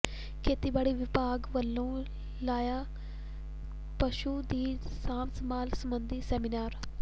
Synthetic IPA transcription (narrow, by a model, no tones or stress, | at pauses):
kʰeːt̪iːbaːɽiːʋɪpaːɡʋəlːõː | laːjaː | pəʃuːd̪iː | sãːmsəmaːlsəmbənd̪iːsɛːminaːɾ